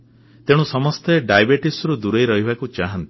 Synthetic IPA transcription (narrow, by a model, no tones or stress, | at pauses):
t̪eɽ̃ũsɔmɔst̪eɖajbeʈisɾud̪uɾejɾɔɦibakut͡ʃaɦant̪i